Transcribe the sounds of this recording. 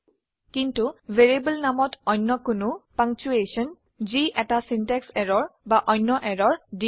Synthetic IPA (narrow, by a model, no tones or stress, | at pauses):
kintuveɹibəlnamɔtʰɔjnːɔkʊnʊpaŋt͡ʃuesɔn | ziʔɛtasintɛksɛɹɔɹbaʔɔjnːɔʔɛɹɔɹdi